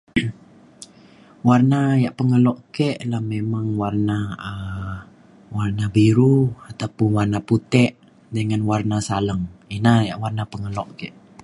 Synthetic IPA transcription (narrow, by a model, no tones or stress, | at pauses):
warnajaʔpəŋəlɔʔkɛʔlahmemaŋwarnaə | warnabiɾuat̪apʊnwarnaput̪ɛʔ | dəŋanwarnasaləŋinahja̰ʔwarnapəŋəlɔʔkɛʔ